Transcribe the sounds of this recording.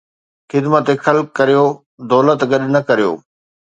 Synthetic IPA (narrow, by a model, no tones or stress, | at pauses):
xɪd̪mət̪exɐlkːɐɾijo | d̪ɔːlət̪ɡɐɗnɐkɐɾijo̰ː